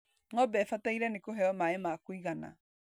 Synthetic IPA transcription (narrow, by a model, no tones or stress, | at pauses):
ŋɔbɛfataiɾɛnekoɦɛɔmaemakoiɣana̰